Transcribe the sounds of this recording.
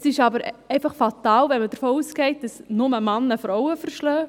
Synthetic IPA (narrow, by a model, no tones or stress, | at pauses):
sɪʃɑbəɾɛɪfɑχfɑt̪ɑːlʋɛnməd̥əɾfɔːuːsɡɛɪt̚d̥ɑsnʊməmɑnːəfɾɔʊwəfəɾʃlœː